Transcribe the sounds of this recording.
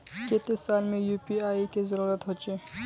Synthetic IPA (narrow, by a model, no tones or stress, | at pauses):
ket̪esalmejupiaikezəɾuːɾət̪ɦɔt͡ʃe